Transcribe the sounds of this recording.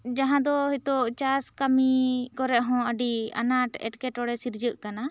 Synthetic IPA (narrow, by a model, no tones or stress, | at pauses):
d͡ʒaɦãd̪ɔɦit̪oʔt͡ʃaskamikɔɾɛʔɦɔ̃əɖia̰naʈɛ̰ʈkɛʈɔɽɛsiɾd͡ʒəʔkana